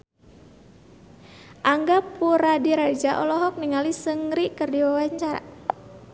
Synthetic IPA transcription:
ʔaŋɡapuɾadiɾad͡ʒaʔɔlɔɦɔk̚niŋalisəŋɾikərdiwawaɲt͡ʃaɾa̰

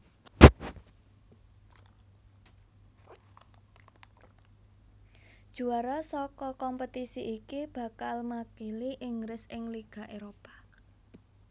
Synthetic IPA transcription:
d̥ʒ̥ṳaɾasɔkɔkɔmpət̪isiʔikib̥ä̤kalmakiliʔɪŋɡɾɪsɪŋliɡ̥a̤ʔeɾopḁ

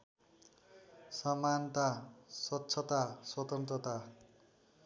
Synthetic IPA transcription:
sʌmant̪aswʌtːsʰʌt̪aswʌt̪ʌnt̪ɾʌt̪a

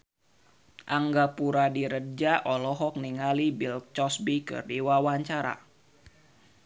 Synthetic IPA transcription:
ʔaŋɡapuɾadiɾəd͡ʒaʔɔlɔɦɔk̚niŋalibil̚t͡ʃɔsbikɨ̰rdiwawaɲt͡ʃaɾa̰

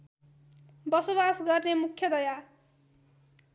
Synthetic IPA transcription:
bʌsobasɡʌrnemukʰjʌd̪ʌja

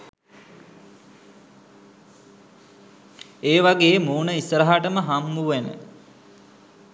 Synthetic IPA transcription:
eːʋaɡeːmuːnəisəɾaɦaʈəməɦamːuʋenə̰

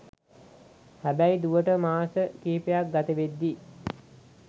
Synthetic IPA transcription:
hæbæjd̪uʋəʈəmaːsəkiːipejak̚ɡat̪əʋed̪ːi

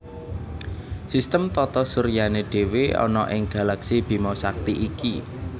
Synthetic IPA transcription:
sist̪əmt̪ɔt̪ɔsuɾjaneɖ̥e̤weɔ̰nɔʔɪŋɡ̥a̤laksib̥i̤masak̚t̪iʔiki

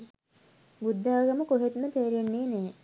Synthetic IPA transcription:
bud̪ʱːaːɡɐməkoɦet̪mət̪eːɾenːeːneː

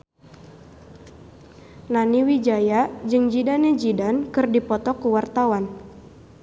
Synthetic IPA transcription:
naniwid͡ʒajad͡ʒɨŋd͡ʒidanɛd͡ʒidankɨrdipɔt̪ɔkuwart̪awan

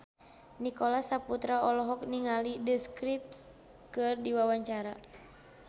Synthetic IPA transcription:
nikɔlasaput̪ɾaɔlɔɦɔk̚niŋalidəskɾip̚s | kɨrdiwawaɲt͡ʃaɾa

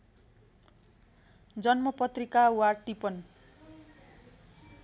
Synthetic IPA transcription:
d͡zʌnmʌpʌt̪rikawaʈipʌn

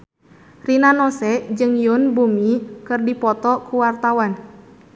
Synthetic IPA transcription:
rinanɔsɛd͡ʒɨŋjʊnbumikɨrdipɔt̪ɔkuwart̪awan

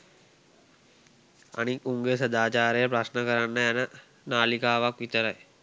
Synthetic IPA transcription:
a̰nikːuŋɡesəd̪aːt͡ʃaːɾəjəpɾasnəkəɾanːəænə | naːlikaːʋakʋit̪əɾaj

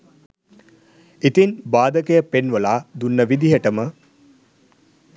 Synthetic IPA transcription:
it̪inbaːd̪əkejəpenʋəlaːd̪unːəʋid̪iɦəʈəmə

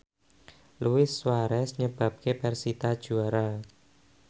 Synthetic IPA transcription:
luwɪswaɾɛsɲəb̥a̤p̚kepɛrsit̪ad̥ʒ̥uaɾa

